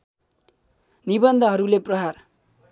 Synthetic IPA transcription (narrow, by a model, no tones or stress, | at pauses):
nibʌnd̪ʱʌɦʌɾuleprʌɦar